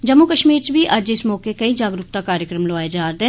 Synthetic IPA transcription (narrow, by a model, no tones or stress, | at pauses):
d͡ʒəmːukəʃmiːɾt͡ʃbiːʔəd͡ʒɪsmɔːkekəiːd͡ʒaːɡɾʊkt̪aːkaːɾjəkɾəmloaːed͡ʒaːɾd̪eː